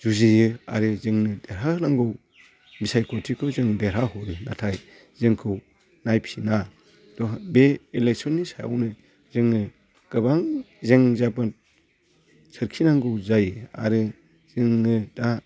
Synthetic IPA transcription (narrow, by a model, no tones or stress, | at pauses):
zuzijɯa̰ɾɯzɯŋnɯdeɾɦanaŋɡɯw | bisajkʰɔtʰikʰɯwzɯŋdeɾɦaɦɔɾɯna̰tʰaj | zɯŋkʰɯw | najpʰina | d̥ɔbeelek̚sɔnːisaja̰wnɯ | zɯŋnɯ | ɡ̥ɯbaŋ | zeŋzaba | sʰɯɾkʰinaŋɡɯwzajɯa̰ɾɯ | z̥ɯŋnɯda